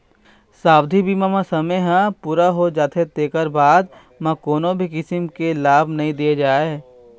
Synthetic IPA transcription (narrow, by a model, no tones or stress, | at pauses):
saːbd̪ʱibiːmamãsɐməjɦãpuːɾaɦod͡ʒaːt̪ʰet̪eːkəɾbaːd̪ | mɐ̃koːnobʱikɪsɪmkelaːbʱnɐɦĩd̪ied͡ʒaːe